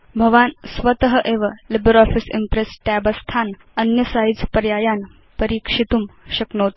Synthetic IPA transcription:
bʱəʋansʋət̪əɦəʔeʋəlibəɾɔfisḭmpɾesʈæbəst̪ʰan | ənjəsait͡spəɾjajan | pəɾiːkʂit̪uːmɕəknot̪

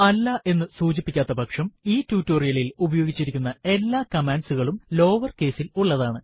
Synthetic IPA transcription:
ɐlːɐʔe̞nːɨsuːd͡ʑipːikʲːaːt̪ːɐbɐkʂɐmiːtːuːtːoːrijɐlilubɐjo̞ːɡit͡ɕːiɾikʲːunːɐe̞lːaːkɐmaːnɖsuɣɐɭumlo̞ːʋɐrke̞ːsiluɭːɐðaːɳɨ

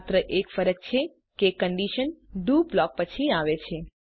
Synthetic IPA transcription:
t̪ɾəʔekfəɾək̚t͡ʃʰe | kekəɳɖiʃənɖublɔk̚pət͡ʃʰiaʋet͡ʃʰe

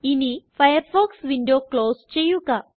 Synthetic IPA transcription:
inifajəɾfɔksʋiɳɖoklost͡ɕejũka

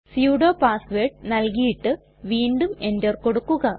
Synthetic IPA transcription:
sjuːɽo̞ːpaːsʋeːʈ̚nɐlkijiʈːɨ | ʋiːnɖume̞ndɐrko̞ɽukːuɣɐ

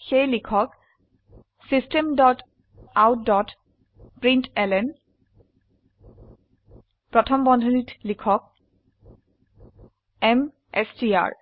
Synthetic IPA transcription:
xejlikʰɔk | sistemdɔt | awdɔt | pɹintɛlɛn | pɹɔtʰɔmbɔndʱonitlikʰɔk̚ | ɛm | ɛ̰sdia̰ɹ

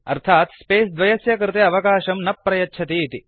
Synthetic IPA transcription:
ɐ̰ɾt̪ʰaːt̪speːsd̪ʋɐjɐsjɐkɾɪt̪eɐʋɐkaːʃɐmnɐpːɾɐjɐtːt͡ʃʰɐt̪iːt̪i

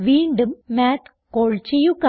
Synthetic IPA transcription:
ʋiːɳɖɨmːaːt̪ʰ | koɭt͡ɕijuka

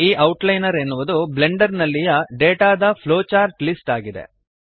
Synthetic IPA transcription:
iːʔɐwʈlɐjnɐɾe̞nːuʋud̪uble̞ɳɖɐɾnɐlːijɐɖeːʈaːd̪ɐpʰloːt͡ʃaːɾʈlisʈaːɡid̪e̞̰

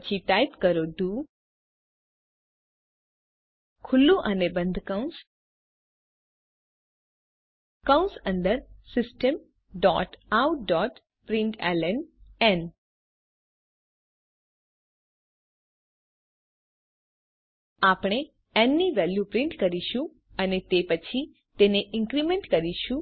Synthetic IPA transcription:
t͡ʃʰiʈ̪ajt̪kəɾoɖuː | kʰʊlːũʔənebə̃nd̪ʱkaũns | kawnsənd̪əɾsɪsʈəm | ɖɔʈawɖɔʈ | pɾɪ̃ɳʈɛ̰lənɛn | apɽ̃e | ɛnːiʋɛljupɾɪ̃ɳʈkəɾiʃũ | ənet̪epət͡ʃʰi | t̪eneʔɪ̃ŋkɾimẽɳʈkəɾiʃũ

